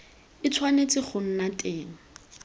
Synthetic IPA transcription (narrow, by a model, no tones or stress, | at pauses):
ɪt͡sʰwanet͡sʼɪχʰʊn̩natʼeːŋ̩